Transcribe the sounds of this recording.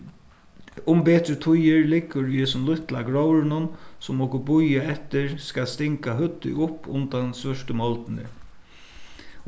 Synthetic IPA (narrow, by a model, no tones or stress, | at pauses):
ʊmpɛːt̪ɾɪt̪ʰʊjɪɹlɪkːʊɾiɛsʊmlʊht̪lakɾowɾɪnʊnsʊmɔkʊbʊjaɛt̪ɪɹskast̪ɪŋkaɦʏt̪ːɪ̰ʊpːʊnt̪ansʋœʂt̪əmɔlt̪ɪnɪ̰